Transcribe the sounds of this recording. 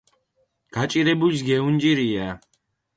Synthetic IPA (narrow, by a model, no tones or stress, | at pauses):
ɡ̥at͡ʃʼiɾɛbulisɡɛund͡ʒiɾia